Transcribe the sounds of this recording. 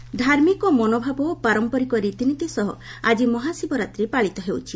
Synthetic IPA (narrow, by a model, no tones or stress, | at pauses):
d̪ʱaɾmikɔmɔnobʱabɔpaɾɔmpɔɾikɔɾit̪init̪isɔɦɔad͡ʒimɔɦasibɔɾat̪ɾepaɭit̪ɔɦewt͡ʃʰi